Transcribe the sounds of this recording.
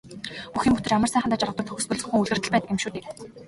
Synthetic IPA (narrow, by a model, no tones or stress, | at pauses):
uxiːmpʊt̪ɘ̆rjamərsæːχnt̪aːt͡ɕarʁə̆t̪ə̆k̚t̪ʰɔxʲɵ̆spɵ̆ɮɵ̆xŭŋuɮɣɘ̆rt̪ɘ̆ə̆ɮpæːt̪ə̆kemʃuːt̪iːk